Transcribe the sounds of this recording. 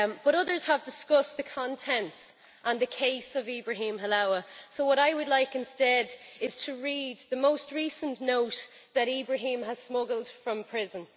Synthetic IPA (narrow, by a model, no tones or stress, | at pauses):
b̥ʌɾʊðə˞z̥əvdɪskʊsðəkʰɑ̃ntʰɛ̃nts | ʔə̃nðəkʰeɪsəvibɹəɦĩːmɦəlaʊəsoʊwɒɾaɪwədˡlaɪkɪ̃nstɛdɪz̥tʰəɹiːd̪̚ðəmoʊstɹisə̃nnoʊt | ðəɾiːbɹəɦĩməz̥smʊɡəl̩ˠd̥fɹʌ̃mpʰɹ̥ɪzə̃n